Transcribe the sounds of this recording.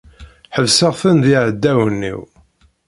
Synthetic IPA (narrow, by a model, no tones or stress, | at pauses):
ħəvsəʁθənðiʕəd̪ːæwənːḭw